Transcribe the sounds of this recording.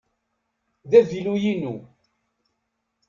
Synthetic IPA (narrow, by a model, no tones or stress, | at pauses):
ðævilujinu